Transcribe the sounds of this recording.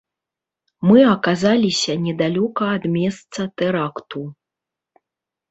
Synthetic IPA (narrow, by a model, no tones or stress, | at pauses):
mɨɐkazalʲisʲɐnʲɛd̪alʲɔkɐːd̪mʲɛst̪sɐt̪ɛɾakt̪u